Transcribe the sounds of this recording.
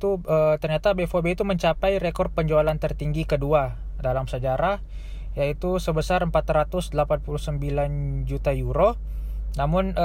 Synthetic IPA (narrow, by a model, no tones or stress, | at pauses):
t̪uət̪ərɲat̪abefobeit̪uməɲt͡ʃapajɾekɔrd̪̚pəɲd͡ʒualant̪ərt̪iŋɡikədua | dalamsəd͡ʒaɾah | jait̪usəbəsaɾəmpat̪rat̪ʊsdəlapanpuluhsəmbiland͡ʒut̪ajuɾo | namʊn